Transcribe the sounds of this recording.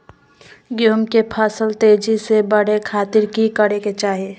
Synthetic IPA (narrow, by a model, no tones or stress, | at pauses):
ɡjoːmkepʰəsəlt̪eːd͡ʒisebəɽ̤ekʰaːt̪ɪɾkikəɽeket͡ʃaːɦie